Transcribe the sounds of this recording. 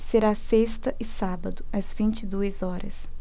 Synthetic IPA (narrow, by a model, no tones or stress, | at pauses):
seɾasest̪ɐʔɪsabɐd̪ʊɐzvĩnt͡ʃɪd̪uɐzɔɾɐ̰s